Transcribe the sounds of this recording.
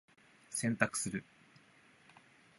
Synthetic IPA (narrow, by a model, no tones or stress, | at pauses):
sẽ̞nt̪akɯ̟̥sɨɾɯ̟